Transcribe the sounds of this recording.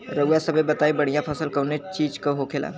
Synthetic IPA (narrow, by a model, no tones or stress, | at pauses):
ɾɐujasɐbebɐt̪aːibɐɽ̤ijãpʰɐsəlkɐnet͡ʃiːd͡ʒkoɦokʰela̰ː